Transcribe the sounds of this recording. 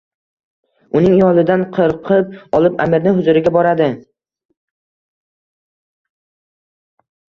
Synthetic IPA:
ʊnɪŋjɒlˠɪd̪anqʰɨɾqʰɨp̚ɒlˠɪpa̰mɪɾnɪɦʊzʊɾɪɡʲabɒɾad̪ɪ

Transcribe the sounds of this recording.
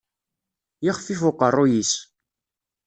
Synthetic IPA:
jiχfifʊqərˤːujis

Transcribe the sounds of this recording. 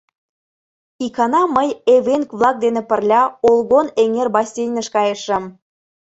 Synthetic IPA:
ikɑnɑməjeβenkβlˠɑk̚d̪enĕpə̆rlʲɑolˠɣoneŋerbɑsʲejnəʃkɑjəʃə̆m

